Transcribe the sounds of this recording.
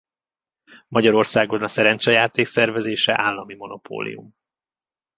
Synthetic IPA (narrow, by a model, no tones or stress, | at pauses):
mɒɟɒɾo̞rsaːɡo̞nɒsɛɾɛnt͡ʃɛjaːt̪eːksɛrvɛzeːʃɛʔaːlːɒmimo̞no̞pʰo̰ːlḭjṵm